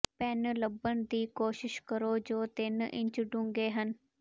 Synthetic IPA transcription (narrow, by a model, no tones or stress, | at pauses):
pɛnləbəɳd̪iːkoːʃɪʃkəɾoːd͡ʒoːt̪ɪnʔɪ̰ɲt͡ʃʊɖʊ̃ːŋɡeːɦən